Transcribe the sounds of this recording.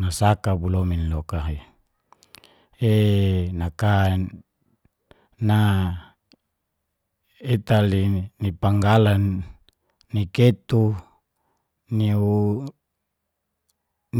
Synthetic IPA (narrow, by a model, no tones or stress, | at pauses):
nasakabulominlokaɦe | enakan | na | et̪alinipaŋɡalanː | iket̪u | niu | n